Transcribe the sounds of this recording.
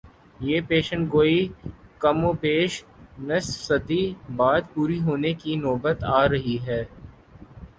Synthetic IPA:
jeːpeːʃə̃ɳʈɡoːikɐmõːpeːʃnɐssɐd̪ibaːd̪puːɾiɦoːnekinɔːbət̪aːɾɐɦiɦɛː

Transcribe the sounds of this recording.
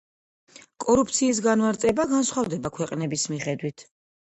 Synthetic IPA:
kʼɔɾup̚ʰt̪sʰiːs̬ɡanmaɾt̪sʼɛbaɡansχwavd̪ɛbakʰwɛqʼnɛbismiχɛd̪wit̪ʰ

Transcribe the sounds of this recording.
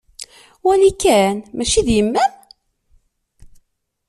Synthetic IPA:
wælikːænmæʃiðjəmːæn

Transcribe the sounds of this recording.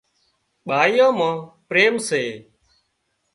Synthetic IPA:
ɓaːijãːmãːpɾeːmseː

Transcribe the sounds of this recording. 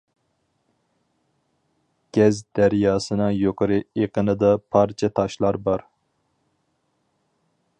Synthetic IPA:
ɡ̥ʲɛzd̪æɾjɑːsɨnɨŋjoqʰəɾɨeqənɨd̪ɑpʰɑɾt͡ʃʰɛt̪ʰɑʃlˠɑɾbɑɾ

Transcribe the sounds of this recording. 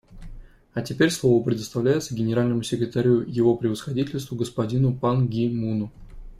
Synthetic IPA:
ɐtʲɪpʲeɾʲslˠovəpɾʲɪd̪əst̪ɐvlʲæɪt̪səɡʲɪnʲɪɾalʲnəmʊsʲɪkɾʲɪt̪aɾʲujɪvo̞pɾʲɪvəsxɐdʲitʲɪlʲst̪vʊɡəspɐdʲinʊpanɡʲimunʊ

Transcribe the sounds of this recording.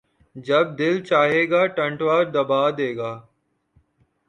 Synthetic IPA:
d͡ʒɐb̚d̪ɪlt͡ʃaːɦeːɡaːʈɐ̃ɳʈʋaːɾd̪ɐbaːd̪eːɡaː

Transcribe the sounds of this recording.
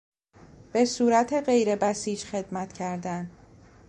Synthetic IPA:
b̥e̞suːɾæt̪ʰe̞ɢe̞jɾe̞bæsiːd͡ʒxe̞d̪mæt̪cʰæɾd̪æn

